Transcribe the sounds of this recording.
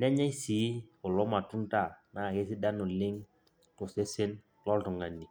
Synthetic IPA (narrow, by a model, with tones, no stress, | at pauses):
nɛ˦ɲa˦i˦si˨˦ɔ˨lɔ˦ma˨tu˦nta˦˨na˦˨ke˦si˦da˦nʊ˨lɪ˦ŋ | tɔ˨se˦se˦n | lɔ˦ltɔ˨ŋa˨nːi˨